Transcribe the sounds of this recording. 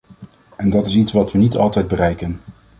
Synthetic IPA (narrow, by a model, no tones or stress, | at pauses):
ɛndɑtɪsitsʋɑtʋənitɑ̰lˠtɛjd̚bərɛjkən